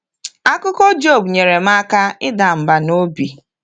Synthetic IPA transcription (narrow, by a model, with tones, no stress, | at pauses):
a˦kʊ˦kɔ˦d͡ʒo˦˨bɲe˨ɾe˨m̩˦a˦ka˦ɪ˦da˨m̩˨ba˨no˦bi˨